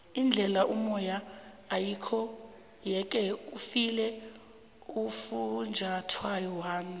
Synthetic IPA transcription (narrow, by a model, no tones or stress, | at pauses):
ind͡ɮʱɛlaʔumɔjaː | jikʰɔ | jɛk̬ʼɛufilɛ | ufund͡ʒʱatʰwajɔwaːmi